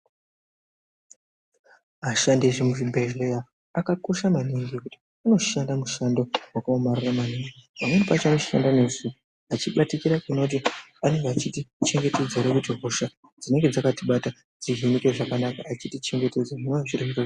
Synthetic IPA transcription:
aʃandeʐimuʐibʱeʒlejaː | kako̞ʃamaniŋɡikuti̥ | ano̞ʃandamuʃandowakaomariramaniŋɡipamwenipat͡ʃanoʃiʃa̰ndanesu | at͡ʃiɓatikiɾakuno̞t̬iane̞ŋɡeat͡ʃitit͡ʃe̞ŋɡe̞te̞d͡ze̞ɾakutiɦoʃa | d͡zine̞ŋɡed͡zakatiɓata | d͡ziɦinikeʐakanakaːt͡ʃitit͡ʃe̞ŋɡe̞te̞d͡zaʐinoaʐiriika

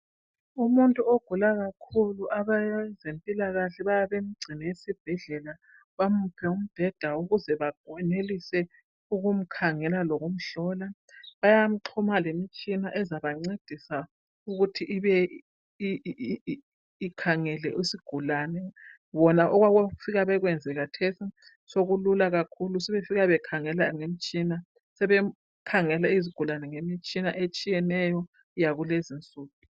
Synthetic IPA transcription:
umuntʼuoɡ̥ʱulaɣakʰuluʔaβazempʼilaɣaɬɛβajaβem̩ɡ͡ǀʱinajesib̥ʱɛɮɛla | βamupʰɛum̩b̥ʱɛd̥ʱauɣuzɛβaɡɛnelisɛ | uɣum̩kʰaŋɛlaloɣum̩ɬɔːla | βajam̩ǃʰumalemit͡ʃʼinaʔɛzaβaŋ͡ǀed̥ʱisa | uɣutʰiʔiβɛ | i | kʰaŋɛlɛ̰ʔisiɡ̥ʱulaːnɛ | βɔnaʔɔɣwaɣafiɣaβɛɣwɛnd͡zʱɛɣatʰesi | soɣululaɣakʰulusɛβefiɣaβɛkʰaŋɛlaŋem̩t͡ʃʼina | sɛβɛ | kʰaŋɛlaiziɡ̥ʱulanɛŋemit͡ʃʼinaʔet͡ʃʼijɛnɛjɔ | jaɣulezint͡sʼuːtʰʼu̥

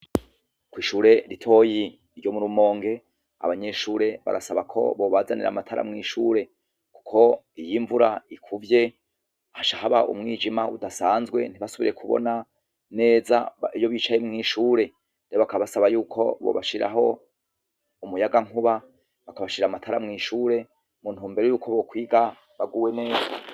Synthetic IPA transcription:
kwiːʃuːɾe̞ɾitʰo̞ji | ɾɟomuɾumo̞ːŋɡe̞ | a̰βaɲe̞ʃuːɾe̞βa̰ɾʔasaβakʰo̞̰βo̞βazanḭɾa̰matʰaɾa̰mŋiːʃuːɾe̞ | ku̥kʰo̞ | ijiɱvuɾaikʰuvje̞ | haʃaɦaβaʔṵmŋiːd͡ʒimaudasaːnzɡwe̞̰n̥iβasuβḭɾe̞kʰuβo̰na | ne̞ːza̰ijo̞βiːt͡ʃaje̞mŋiːʃuːɾe̞ | dajoβakaβasaβajuːkʰo̞̰βo̰βaʃiɾʔa̰ɦo̞ | umujaɡaŋ̥uβa | βakaβaʃiɾamatʰaɾamŋiːʃuːɾe̞ | munhuːmbe̞ɾejuːkʰo̞βo̞kwiːɡa | βaɡuːwene̞ːza

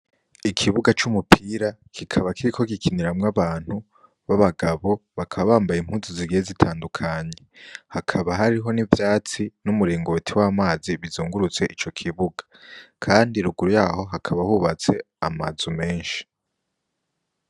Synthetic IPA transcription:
ikʰiβuɡat͡ʃumupʰiːɾakʰikʰaβakʰiɾikʰo̞ɡikʰiniɾamŋaβaːn̥hu | βaβaɡaβo̞βakʰaβaβaːmbajim̥huːnzuziɡijezitʰaːndukʰaɲe̞hakʰaβaɦaɾiɦo̞nivjaːt͡sinumuɾiːŋɡotʰiwaːmaːziβizuːŋɡuɾut͡se̞ʔit͡ʃo̞kʰiβuɡḁkʰaːndiɾuɡuɾujaːɦo̞ɦakʰaβahuːβat͡se̞ | ama̰zume̞ːnʃi̥

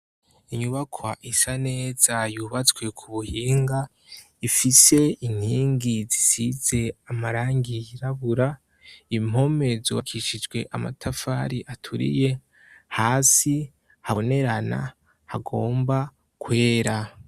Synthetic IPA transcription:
iɲuβakʰwaʔisane̞ːz̥ajuβat͡swe̞kʰuβuhiːŋɡa | ifise̞in̥hiːŋɡizisize̞amaɾaːŋɡijiɾaβuɾa | im̥o̞me̞zṵβakʰiʃid͡ʒɡwe̞ʔama̰tʰafaːɾiʔatʰuɾḭje̞ | haːsi | haone̞ɾana̰ | haɡo̞ːmba | kwe̞ːɾa

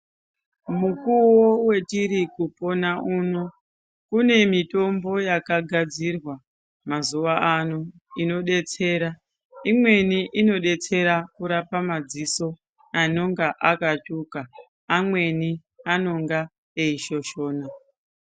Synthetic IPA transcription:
mukuwowe̞tiɾikupo̞naʔuːno̞ | kune̞mito̞mbo̞jakaɡʱad͡zirwa | mazuʋaʔano | ino̞ɗe̞t͡se̞ːɾa | imwe̞niʔino̞ɗe̞t͡se̞ɾakuɾapamad͡ziso̞ | ano̞ŋɡaʔakat͡ʃukaː | mwe̞ni | ano̞ŋɡa | eiʃo̞ʃo̞ːna

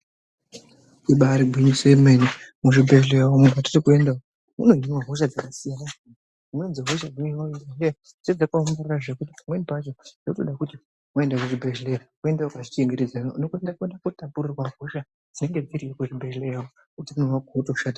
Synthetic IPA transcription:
iɓaɾiɡʱwiɲisoemenimuʃibʱeʒlejaomukati̥tikuendao | mṵnoinwaɦo̞ʃ̬ad͡zakasijana | umwend͡zeɦoʃad͡zoaibelea | sed͡zakamɡararaʐekut̬i̥pamwenipat͡ʃondotoɗakuti | mae̞ndakuʐibʱeʒlerakue̞ndaokaʐit͡ʃeŋɡeɾed͡zanounokuendakuendakutapuɾurwaɦoʃa | d͡zine̞ŋɡe̞d͡ziɾiekuʐibʱelejao | kutimunowaɡotoʃata

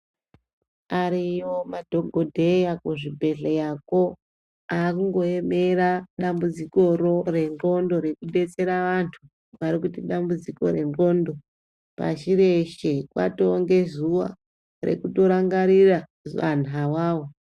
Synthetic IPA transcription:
aɾiwo̞madʱo̞ɡʱodʱe̞jakuʐibʱe̞ɮejako̞ | akuŋɡo̞e̞me̞ɾaɗambud͡ziko̞ɾore̞nro̞ndo̞ɾe̞kuɗe̞t͡se̞ɾaʋantʰu | ʋaɾikutiɗambud͡ziko̞̰ɾe̞nroːndo̞ | pa̰ʃiɾe̞ʃekwa̰toŋɡe̞zuʋa̰ | rḛkuto̞ɾaŋɡaɾira | zʋanawaːwo

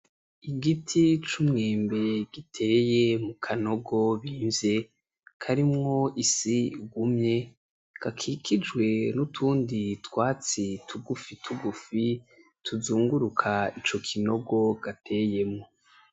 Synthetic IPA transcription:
iɡitʰit͡ʃumŋeːmbe̞ɡ̥itʰe̞je̞mukʰano̞ɡo̞βiːɱze̞ | kʰaɾimŋo̞isiɡumɲe̞ | ɡ̥akʰikʰid͡ʒɡwe̞nutʰuːnditwaːt͡sitʰuɡufitʰuɡufi | tʰuzuːŋɡuɾukʰait͡ʃo̞kʰino̞ɡo̞ɡ̥atʰe̞je̞mŋo̞

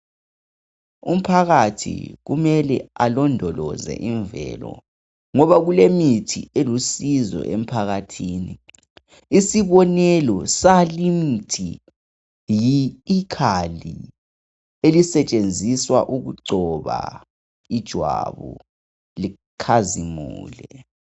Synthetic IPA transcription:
um̩pʰaɣatʰḭɣumɛlɛalɔndʱɔlɔzɛ̰ʔiɱvɛ̰ːlɔ̰ | ŋɔβaɣulemitʰḭelusizɔ̰ʔem̩pʰaɣatʰiːni | isiβɔnɛlɔsalimitʰi | jiːkʰali | elisɛt͡ʃʼend͡zʱiswaʔuɣuǀɔβa̰ | id̥ʒ̥ʱwa̰βu | li | kʰazimuːlɛ

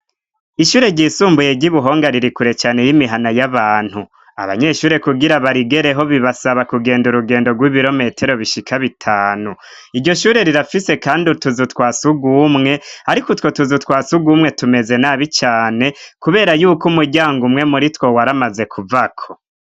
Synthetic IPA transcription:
iʃuːɾe̞ɟiːsuːmbuje̞ɟiβuɦo̞ːŋɡaɾiɾikuɾe̞t͡ʃaːne̞jimiɦanajaβaːn̥hu | a̰βa̰ɲe̞ʃuːɾe̞kuɡiɾaβaɾiɡeɾeɦo̞βiβasaβakuɡe̞ːnduɾuɡe̞ːndoɡwiːβiɾo̞me̞tʰe̞ɾo̞βiʃikʰaβitʰaːnu | iɾɟo̞ʃuːɾe̞ɾiɾafise̞kaːndituzutwaːsuɡumŋe̞aɾikotwo̞tuzutwaːsuɡumŋe̞tume̞ze̞naːβit͡ʃaːne̞kuβe̞ːɾajuːkumuɾɟaːŋɡumŋe̞muɾitwo̞waɾamaze̞kʰuvakʰo̞

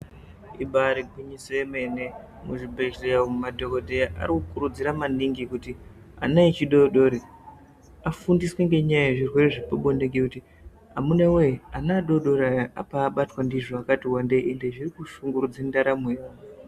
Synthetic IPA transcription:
iɓaɾiɡʱwiɲisoeme̞ne̞ | muʐibʱeʃeaomumadʱokodʱejaʔa̰ɾikukuɾud͡ziɾamaniŋɡikuti | a̰nait͡ʃiɗo̞ɗo̞ɾe | afundisweŋɡe̞ɲajaeʐirwe̞reʐipoɓoneŋɡekuti | ɦamunaweanaːɗo̞ɗo̞ɾajaʔa̰paːɓatwandiʐoakatiwande̞ende̞ʐirikuʃuŋɡuɾud͡zendaɾamejoo

